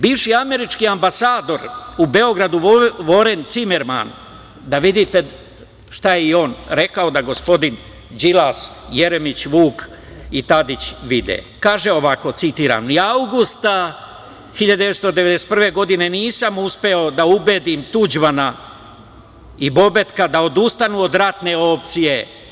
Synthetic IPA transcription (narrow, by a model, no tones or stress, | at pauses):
biːʋʃiame̞ɾit͡ʃkiambasaːd̪o̞ɾube̞o̞ɡɾad̪uʋo̞ɾe̞nt̪sime̞ɾma̰n | d̪aʋid̪it̪e̞ | ʃt̪ajeio̞ːnɾe̞kao̞d̪aɡo̞spo̞d̪in | d͡ʒilasje̞ɾemit͡ɕʋuːk | it̪ad̪it͡ɕʋid̪ḛ | kaːʒe̞o̞ʋako̞t̪sit̪iːɾa̰mniawɡust̪a | xiʎad̪eest̪od̪eʋed̪ese̥t̪̚prʋe̞ɡo̞d̪ine̞niːsamuspe̞o̞d̪aubed̪imt̪ud͡ʒmana | ibo̞be̞t̪kad̪ao̞d̪ust̪anuo̞d̪ɾat̪ne̞o̞pt̪sije̞